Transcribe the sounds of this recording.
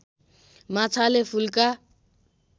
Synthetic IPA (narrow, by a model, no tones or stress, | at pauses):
mat͡sʰalepʰulka